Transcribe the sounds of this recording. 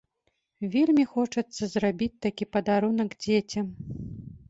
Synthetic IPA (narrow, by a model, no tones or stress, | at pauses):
vʲelʲmʲixɔt͡ʂɐt̪sːɐzrabʲit͡sʲt̪akʲipɐd̪aɾunɐɡd͡zʲet͡sʲɐm